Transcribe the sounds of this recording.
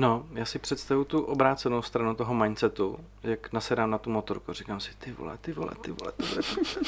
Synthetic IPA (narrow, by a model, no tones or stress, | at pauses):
no̞jaːsɪpr̝̥ɛt̪st̪avut̪uʔobɾaːt̪t͡sɛno̞wst̪ɾanut̪oɦomajnt͡sɛt̪u | jaknasɛdaːmnat̪umot̪oɾkurikaːmsɪ̥t̪ɪvo̰lɛ̰t̪ɪvolɛ̰t̪ɪvo̰lɛ̰t̪ovlɛ